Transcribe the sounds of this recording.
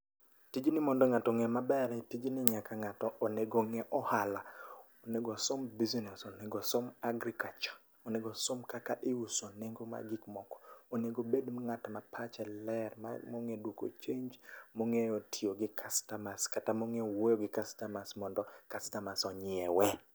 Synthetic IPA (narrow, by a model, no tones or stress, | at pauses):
tid͡ʒnɪmɔndɔŋatɔŋɛmabɛɾɛtid͡ʒnɪɲakaŋatɔoneɡoŋɛʔɔhala | oneɡosombiznɛsoneɡosomaɡɾikat͡ʃɔ̥ | oneɡosomkakaʔɪusoneŋɡoma̰ɡɪkmɔkɔ̥oneɡobedŋatmapʰat͡ʃɛlɛrma̰moŋedwoko̰t͡ʃeɲd͡ʒmoŋeotʰioɡɪkʰastamaskatamoŋewojoɡɪkastamasmɔndɔkastamasɔɲɪɛwɛ